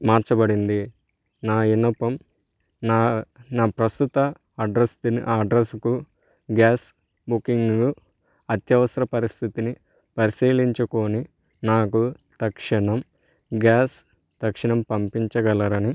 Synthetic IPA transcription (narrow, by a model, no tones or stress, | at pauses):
maːɾt͡ʃɐbɐɽind̪i | naːinɐpɐm | naːnaːpɾɐst̪ut̪ɐː | ɖɾɐst̪iniʔaːɖɾesku | ɡaːs | bukiŋɡɡu | ɐt̪jɐʋɐsɐɾɐpɐɾist̪ʰit̪ini | pɐɾisiːliɲt͡ʃuko̞ːni | naːku | t̪ɐkʂɐɳɐm | ɡaːs | t̪ɐkʂɐɳɐmpɐmpiɲt͡ʃɐɡɐlɐɾɐni